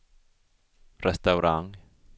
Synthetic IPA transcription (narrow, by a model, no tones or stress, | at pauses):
ɾɛst̪awɾaŋ